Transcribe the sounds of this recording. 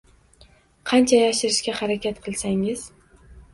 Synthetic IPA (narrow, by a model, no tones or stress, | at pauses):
qʰɑnt͡ʃʰajaʃɪɾɪʃkʲahaɾakʲʰat̪qʰɨlˠsaŋɪz̥